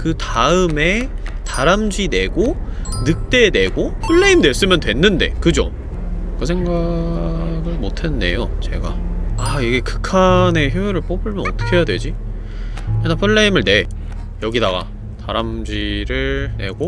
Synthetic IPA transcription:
kɯtaɯme̞taɾamd͡ʑine̞ɡo | nɯk̚t͈e̞ne̞ɡopʰɯɭːe̞imne̞s͈ɯmjʌntwe̞nːɯnde̞̰kɯd͡ʑo̰ | kɯsʰe̞ŋɡa | ɡɯɭmotʰende̞̰jot͡ɕe̞ɡa̰aiɡe̞kɯ̥kʰane̞çjueɾɯɭp͈obɯɭmjʌnʌt͈ʌ̥kʰe̞jadwe̞d͡ʑi | jenapʰuɭːe̞imɯɭne̞ | jʌɡidaɡa̰ | taɾamd͡ʑiɾɯɭne̞ɡo

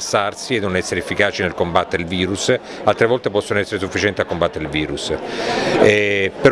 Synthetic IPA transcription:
sːarsienːonɛsːeɾefːikaːt͡ʃinelkombat̪ːeɾeilviːɾus | alt̪ɾevɔlt̪epɔsːonoɛsːeɾesufːit͡ʃɛnt̪iakːombat̪ːeɾilviːɾus | ɛpeɾ

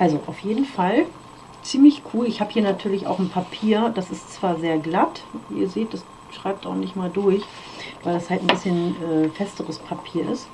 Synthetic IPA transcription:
ʔalzoʔaʊfjeːdn̩fal | t͡siːmlɪçkʰuːlɪçhaːbə̥hiːɐnatʰyːɐlɪça̰ʊxn̩pʰapʰiːɐd̥asɪstt͡sv̥aːɐzeːɐɡlatḭːɐzeːt̚d̥as | ʃʁ̥aɪp̚taʊxnɪçtmaːldʊɐç | vaɪldashaltn̩bɪsçənʔɛːfɛstəʁəspʰapʰiːɐʔɪ̰st

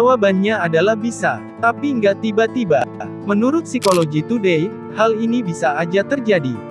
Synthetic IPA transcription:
awabanɲaadalahbisa̰ | t̪apiŋɡaʔt̪ibat̪iba | mənuɾʊt̪̚sikoloɡit̪udej | halinibisaːd͡ʒat̪ərd͡ʒadi

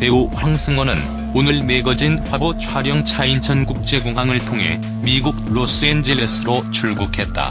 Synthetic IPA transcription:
pe̞uɸwaŋsʰɯŋwʌnɯn | onɯɭme̞ɡʌd͡ʑinɸabot͡ɕʰwaɾjʌŋt͡ɕʰaint͡ɕʰʌnɡuk̚t͡ɕ͈e̞ɡoŋɦaŋɯɭtʰoŋɦe̞̰ | miɡuɡ̚ɭos͈ɯend͡ʑeles͈ʰɯɾot͡ɕʰuɭɡukʰe̞t̚t͈a̰

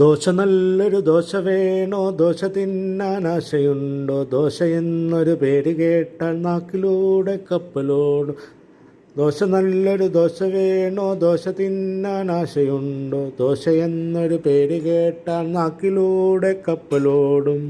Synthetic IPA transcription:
d̪o̞ːɕɐnɐlːo̞ɾud̪o̞ːɕɐʋeːɳoːd̪o̞ːɕɐt̪ːinːaːnaːɕɐjuɳɖoːd̪o̞ːɕɐjenːo̞ɾupe̞ːɾikeːʈːaːɭnaːkːiluːɽe̞kːɐpːɐloːɽum | d̪o̞ːɕɐnɐlːo̞ɾud̪o̞ːɕɐʋe̞ːɳoːd̪o̞ːɕɐt̪ːinːaːnaːɕɐjuɳɖoːd̪oːɕɐjenːo̞ɾupe̞ːɾikeːʈːaːɭnaːkːiluːɽe̞kːɐpːɐloːɽum

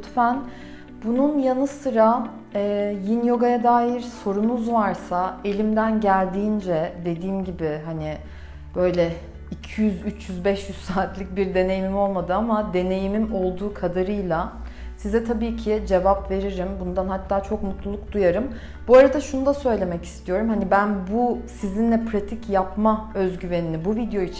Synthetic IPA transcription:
t̪fæn | bununjanɯsɯɾa | ɛːjinjo̞ɡajad̪aːjiɾso̞ɾunuzvaɾsae̞lʲimd̪ænɟælʲd̪iːnd͡ʒɛd̪e̞d̪iːmɟibɪɦanɪ | b̥ø̞jlʲɛ | icʰijyzyt͡ʃʰjyzbɛʃjyzsaːt̪lʲic̚biɾd̪e̞ne̞jimimo̞lˠmad̪ɯamad̪e̞ne̞jimimo̞lˠd̪uːkʰad̪aɾɯjlˠa | sizɛt̪ʰabiːcʰɪd͡ʒe̞vapve̞ɾiɾimbund̪anhat̪ʰːaːt͡ʃʰo̞kmut̪lˠulˠuk̚d̪ujaɾɯm | b̥uaɾad̪aʃunud̪asø̞jlʲe̞mɛci̥st̪ʰijo̞ɾumhanibænbusizinlʲɛpʰɾat̪ʰicjapmaøzɟyve̞ninibuvid̪jo̞it͡ʃʰ

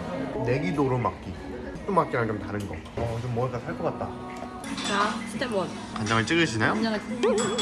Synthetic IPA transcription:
ne̞ɡidoɾomak͈i | t͈umak͈iɾand͡ʑomtaɾɯnɡʌ̰ | ʌt͡ɕomːʌɡ͈asʰaɭk͈ʌk͈at̚t͈a | t͡ɕaɕʰit͡ɕ͈emwʌn | kand͡ʑʌŋɯɭt͡ɕ͈ɯɡɯɕʰinejoɲaŋas

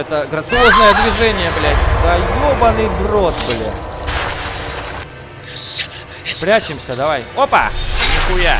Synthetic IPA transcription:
ɛt̪əɡɾɐt̪sɨoznəjəd̪vʲɪʐɛnʲɪjəblʲætʲd̪aɡobɐnɨbrot̪bɨlʲɪ̰ | pɾʲæt͡ɕɪmsʲəd̪ɐvajopə̰kuja

